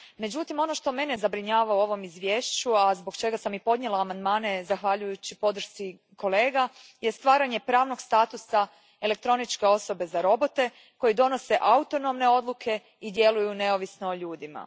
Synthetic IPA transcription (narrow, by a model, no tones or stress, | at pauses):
me̞d͡ʑut̪imo̞no̞ʃt̪o̞me̞nezabɾiɲaːʋaoo̞ʋo̞mizʋjeːʃt͡ɕuazboɡt͡ʃe̞ɡasamipo̞d̪ɲe̞laːmand̪maːne̞zaxʋaʎujut͡ɕipo̞d̪r̩ʃsi | ko̞le̞ːɡajest̪ʋaːɾaɲe̞pɾaːʋno̞ɡst̪aːt̪usa | e̞le̞k̚t̪ɾo̞nit͡ʃke̞o̞so̞be̞zaɾo̞bo̞t̪e̞ | ko̞jid̪o̞no̞se̞ʔaut̪o̞no̞mne̞o̞d̪lˠukʰe̞ | id̪je̞lujune̞o̞ʋisnooʎuːd̪ima̰